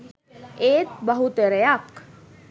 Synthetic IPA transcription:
eːt̪bɐɦut̪eɾejak

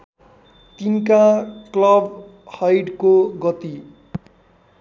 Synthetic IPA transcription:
t̪inkaklʌbhʌjɖkoɡʌt̪i

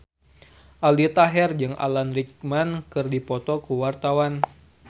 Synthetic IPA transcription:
ʔaldit̪aɦɛrd͡ʒɨŋʔa̰lanrik̚mankɨrdipɔt̪ɔkuwart̪awan

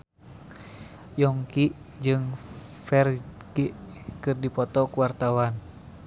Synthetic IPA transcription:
jɔŋkiʔ | d͡ʒɨŋfɛrɡiʔkɨrdipɔt̪ɔkuwart̪awan

